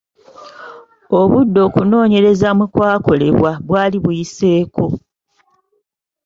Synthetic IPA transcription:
o̞βudːo̞ːkuno̞ːɲe̞ɾe̞zamukwaːko̞le̞̰βwaβwaːliβujise̞ːko̞

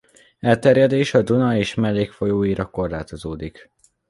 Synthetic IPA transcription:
ɛlt̪ɛɾjɛd̪eːʃɒd̪unɒeːʃmɛlːeːkfo̞joːiɾɒko̞rlaːt̪o̞zoːd̪ik

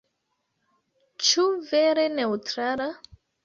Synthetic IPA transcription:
t͡ʃuveɾeneutɾala

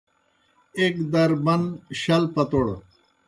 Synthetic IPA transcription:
ek̚d̪ɐɾbɐnɕɐlpɐt̪oɽ

